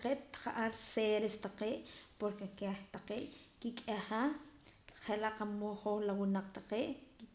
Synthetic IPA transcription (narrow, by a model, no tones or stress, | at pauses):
qeːʔt̪χaʔaɾseɾest̪aqeːʔpoɾkekeχt̪aqeːʔkikʼaha | χelaʔqamoχoχlawinaq͡χt̪aqeːʔki